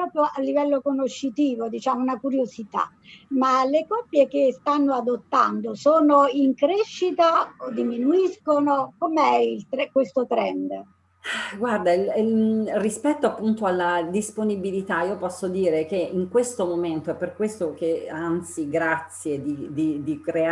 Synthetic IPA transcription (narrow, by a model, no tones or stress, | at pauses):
pɾɔːpɾjoʔalːivɛlːokonoʃːit̪iːvod̪it͡ʃaːmounakuɾjozit̪a̰ | malekɔpːjekest̪anːoad̪ot̪ːa̰nd̪osoːnoiŋkɾeʃːit̪aod̪iminuiskonokomeɛilt̪ɾkwest̪ot̪ɾɛ̰nd̪ | ɡward̪ailirispɛt̪ːoapːunt̪oalːad̪isponibilit̪aiːopɔsːod̪iːɾek̟eiŋkwest̪omoment̪oɛpːerkwest̪ok̟eant̪siɡɾat̪sːjed̪id̪id̪ikɾe